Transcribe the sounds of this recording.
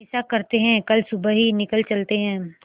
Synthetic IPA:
ɪsakɐɾt̪eɦɛ̃kɐlsʊbəɦinɪkəlt͡ʃɐlt̪eɦɛ̃ː

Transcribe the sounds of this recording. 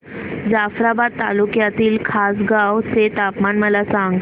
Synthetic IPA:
d͡zafɾabad̪̚t̪a̰lukjat̪iːlkʰas̬ɡawt͡set̪apmanməlasãŋɡ

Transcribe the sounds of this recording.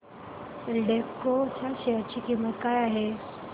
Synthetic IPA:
lɖekkot͡ɕʰaɕeəɾt͡ɕʰikimət̪̚kajaɦe

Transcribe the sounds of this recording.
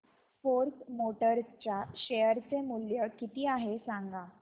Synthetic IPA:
foɾkmoʈəɾt͡ɕjaɕejəɾt͡semuljəkit̪iːaɦesãŋɡa

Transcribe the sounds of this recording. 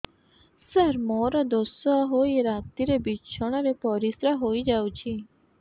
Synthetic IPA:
səɾmɔɾɔd̪osɔɦojɾat̪iɾebiʃʰɔɽ̃ɔɾepɔɾisɾaɦojd͡ʒawt͡ʃʰi

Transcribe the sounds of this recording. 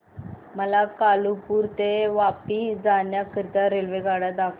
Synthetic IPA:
məlakalupuːɾt̪eʋapid͡zanjakəɾt̪aɾelʋeɡaɽat̪akʰ

